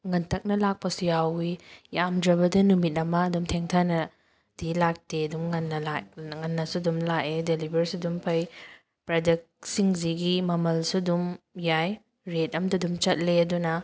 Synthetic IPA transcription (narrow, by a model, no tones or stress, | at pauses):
ŋɐntʰɐk̚nɐlak̚pɐsujawijamdɾɐbɐdɐnumit̚ɐmɐːdumtʰeŋtʰanɐ | d̥ilak̚teɐdumŋɐnːɐlaŋɐnːɐsudumlakedelibɐɾsudumpʰɐj | pɾadek̚ | siŋziɡimɐmɐlsudumjaj | ɾet̚ɐmdɐdumt͡ʃɐt̚leɐdunɐ